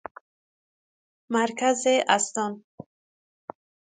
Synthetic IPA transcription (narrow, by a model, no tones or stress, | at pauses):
maɾkʰazeʔast̪ɔn